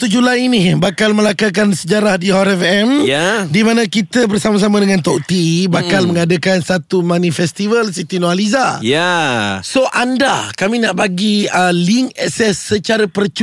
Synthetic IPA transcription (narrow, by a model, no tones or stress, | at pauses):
t̪ud͡ʒulajinibakalməlakakansəd͡ʒaɾahdiaɾɛfɛmjadimanãkit̪əbərsamas̬amãdəŋãnt̪ɔʔt̪ibakkalməŋadəkansat̪umanĩfɛst̪ivəlsit̪inoalizajasoʔanda̰kamĩnaʔbaɡiəliŋɛksɛsːət͡ʃaɾapərt͡ʃ